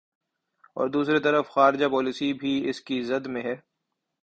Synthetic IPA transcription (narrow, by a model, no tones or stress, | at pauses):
ɔ̰ːɾd̪uːsɾet̪ɐɾəfxaːɾɪd͡ʒapɔːlisibʱiɪskizɐd̪mẽɦɛː